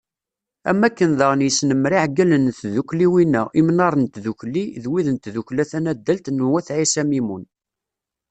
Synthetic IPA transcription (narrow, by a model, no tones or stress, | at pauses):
æ̰mːækːənðəʁnjəsnəmɾiʕɡælənθðukliwinːæʔimnɑɾˤənt̪ðukliðwiðənt̪ðuklæθænæd̪ːælt̪nuwæθʕisæmimun